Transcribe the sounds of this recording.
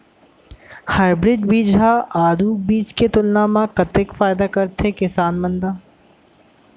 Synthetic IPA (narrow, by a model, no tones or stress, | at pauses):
haːɪbɾɪɖbiːd͡ʒɦaaːd̪uːbiːt͡ʃket̪ʊlnaːmakɐt̪ɪkfaːɪd̪akɐɾt̪ekɪsaːnmɐ̃nd̪aː